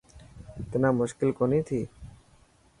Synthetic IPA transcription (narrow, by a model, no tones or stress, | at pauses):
t̪inamuʃkilkonit̪ʰi